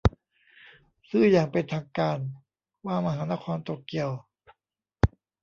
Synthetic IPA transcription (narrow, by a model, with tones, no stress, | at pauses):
sɯː˥˩jaː˨˩ŋpe˧nt̪ʰaː˧ŋkaː˧n | waː˥˩ma˧ɦaː˩˦na˦˥˩kʰɔː˧nt̪o˨˩kːi˨˧˩əw